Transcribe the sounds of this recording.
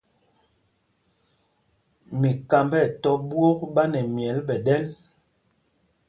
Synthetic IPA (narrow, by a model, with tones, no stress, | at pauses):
mi˨ka˨mbɛ˦˨tɔ˦bwo˦k̚ɓa˦nɛ˨mjɛ˨˦lɓɛ˨ɗɛ˦l